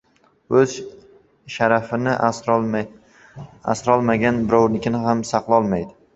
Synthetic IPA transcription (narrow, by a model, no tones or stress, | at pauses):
ɵz̥ | ʃaɾafɪnɪʔ | a̰sɾɒlˠmaɡʲanbɪɾɒwnɪkʲɪnɪhamsaqlˠɒlˠmajd̪ɪ